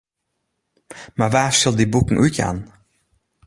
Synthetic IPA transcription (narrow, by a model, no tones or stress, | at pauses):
mɛvæːʃɑlˠd̪iːbuːkŋ̩ʔʉːt̪jɛ̰n